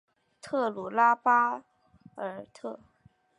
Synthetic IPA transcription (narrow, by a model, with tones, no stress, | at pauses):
t̪ʰɤ˥˩lu˨˩la˥pa˥ | ə˞˧˥t̪ʰɤ˥˩